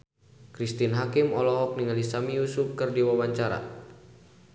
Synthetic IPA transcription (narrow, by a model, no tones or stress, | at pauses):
kɾist̪inɦakimɔlɔɦɔk̚niŋalisamijusuf̚kɨrdiwawaɲt͡ʃaɾa̰